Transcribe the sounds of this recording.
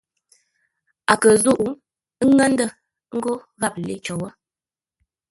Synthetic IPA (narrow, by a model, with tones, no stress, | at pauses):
a˨kə˨zu˦˨ʔu˦ | ə˦ŋə˦n˦də˦˨˦ | ŋ̩˦ɡo˦ | ɣa˦˨p̚le˦t͡ʃɔ˨wə˦